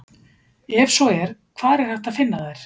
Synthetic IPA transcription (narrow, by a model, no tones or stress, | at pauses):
ɛvsɔɛɾ̥kʰvaːðɾɛɾ̥haht̪aðfɪnːaðɛɾ̥